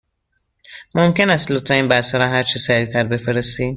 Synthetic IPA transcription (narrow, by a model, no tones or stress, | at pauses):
momcʰe̞næst̪lot̪ɾeiːnbæɾsæɾɒːɦæɾt͡ʃʰisæɾiːt̪ʰæɾbe̞feɾe̞st̪iː